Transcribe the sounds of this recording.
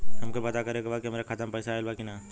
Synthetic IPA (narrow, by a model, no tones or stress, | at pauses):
ɦɐmkopɐt̪akɐɾekebʱaːkiɐmaːɾakʰat̪əmpɐjsaelbaːkinaː